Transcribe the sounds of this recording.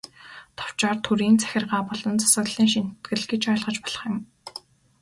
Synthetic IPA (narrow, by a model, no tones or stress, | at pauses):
t̪ʰɔ̥w̥t͡ɕɔːrt̪ʰuɾiːnt͡sʰæ̥xʲɪ̆rʁaːpɔɮɞ̆nt͡sʰḁsə̆ɣɮiːŋʃin̥t̪ɡɘ̆ɮɡet͡ɕœːɮʁə̆t͡ɕpɔɮ̥ɞ̆χjɪ̆m